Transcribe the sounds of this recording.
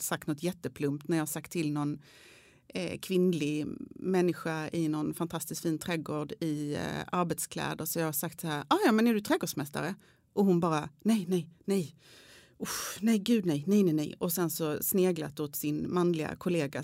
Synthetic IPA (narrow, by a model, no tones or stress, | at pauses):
sak̚t̪nɔt̪ːjɛt̪ːəpʰlɵmp̚t̪næɾjɑːhaʂak̚t̪ʰːɪlnɔn̰ | kʰvɪnlɪɡmɛnːɪɧaɪnɔnfant̪ʰast̪ɪskfiːnt̪ʰɾɛːɡoːɖɪaɾbɛt̪skʰlɛ̰ːd̪əɾsɔjɑːhaʂakt̪sahæːɾɑjɑːmɛnæɖɵt̪ʰɾɛːɡoːɖʂmɛst̪a̰ɾə | ʔɔɦʊnbɑːɾanɛjnɛjnɛj | ʊfnɛjɡʉ̟ːd̪nɛjnɛjnɛnɛ̰jɔsɛnsɔsneːɡla̰t̪ʊt̪sɪnmanlɪɡa̰kʰʊleːɡa̰